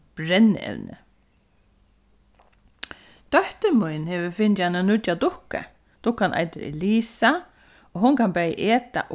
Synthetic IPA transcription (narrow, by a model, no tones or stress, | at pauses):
b̥ɾɛnːɛ̰ʋnə̰ | t̪œht̪əmʊjnhɛːʋɪfɪnt̪ananʊt̪jad̪ʊhkə̰ | d̪̥ʊhkanʔa̰jt̪ɪɾɛ̰liːsa | ɔɦʊŋkʰanbɛːjə̰ʔeːt̪a̰ʔʊ